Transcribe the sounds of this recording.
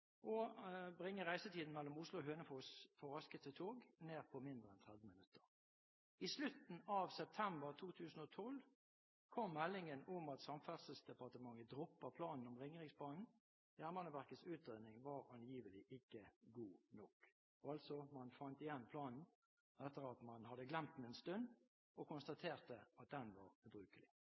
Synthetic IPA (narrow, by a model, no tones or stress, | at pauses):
ʔɔbʁɪŋːəʁæɪsət̪ʰiːd̪n̩mɛlːɔmʊslʊɦøːnəfoːsfɔʁɑskət̪ət̪ʰoːɡneːʁpʰɔmɪnd̪ʁəɛnt̪ʰʁɛd̪ʋəmɪnʉt̪ʰːə̥ʁ | islʉt̪n̩ɑːʋsɛp̚t̪ʰɛmbəʁt̪ʰuːt̪ʰʉːsn̩ɔt̪ʰɔl | kʰɔmːɛlːɪŋənɔmɑt̪sɑmfæd̪səl̩sd̪ɛpɑʁt̪əmɑŋːəd̪ʁɔpːəpʰlɑːnn̩ɔmʁɪŋəʁɪŋspʰlɑːnn̩ | jæːʁmɑnəʋæʁkət̪sʉːt̪̚d̪eːnɪŋʋɑɾɑnjiːʋəlɪʔɪkːəɡuːnɔk | ɔɑlt̪sɔmɑnfɑnt̪ɪjɛnpʰlɑːnn̩ | ʔɛt̪ːəʁɑt̪mɑnhɑd̪əɡlɛmt̪n̩ɛnst̪ʉnd̪ | ɔkʰʊnst̪ɑt̪ʰeːʁt̪əɑt̪̚d̪ɛnʋɑʁbɾʉːkəlɪ